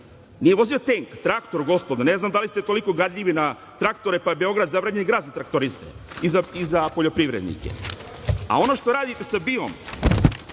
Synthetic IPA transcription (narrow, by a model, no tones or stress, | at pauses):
nije̞ʋo̞zio̞t̪eŋkt̪ɾakt̪o̞ɾɡo̞spod̪ane̞znamd̪alist̪e̞t̪oliko̞ɡad̪ʎʲiʋina | t̪ɾakt̪o̞ɾepabe̞o̞ɡɾad̪zaʋɾaɲenɡɾaːd̪zat̪ɾakt̪o̞ɾist̪ḛizaizapo̞ʎo̞pɾiʋɾed̪nḭkḛ | a̰o̞no̞ʃt̪o̞ɾaːd̪it̪e̞sabio̰m